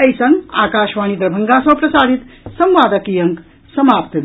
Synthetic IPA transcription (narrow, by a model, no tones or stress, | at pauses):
ɐjsɐ̃ŋɡa̰ːkaːʃʋaːñid̪ɾɐbʱɐŋɡasm̃pɾɐsaːd̪ʱit̪sɐ̃mʋaːd̪əkijɐŋk | sɐmaːpt̪d̪